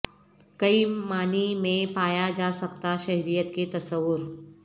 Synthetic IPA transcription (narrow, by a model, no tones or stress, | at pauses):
kɐimaːnimẽpaːjad͡ʒaːsɐkt̪aʃɐɦɾijət̪ket̪ɐsəʋːʊɾ